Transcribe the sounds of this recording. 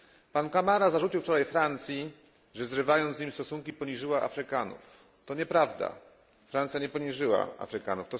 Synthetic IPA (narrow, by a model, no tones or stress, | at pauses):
pankamaɾazaʐut͡ɕiwft͡ʂɔɾajfɾant̪sʲji | ʐɛzɾɘvajɔnd̪zɲimst̪ɔsuŋkʲipɔɲiʐɘwaʔa̰fɾɘkanṵf | t̪ɔɲɛpɾavd̪a̰ | fɾant̪sʲjaɲɛpɔɲiʐɘwa̰a̰fɾɘkanuft̪ɔ